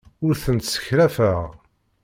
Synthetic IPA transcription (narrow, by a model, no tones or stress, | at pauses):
ʊɾθənt̪sə̥çɾæfəʁ